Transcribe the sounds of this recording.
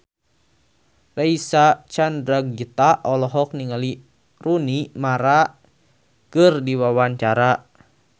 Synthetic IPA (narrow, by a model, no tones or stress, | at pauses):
raisat͡ʃandɾaɡ̚d͡ʒət̪aʔɔlɔɦɔk̚niŋali | runimaɾa | kɨrdiwawaɲt͡ʃaɾa